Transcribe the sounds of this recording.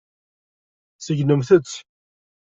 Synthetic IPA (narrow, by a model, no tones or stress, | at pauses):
səʝnəmθət͡sː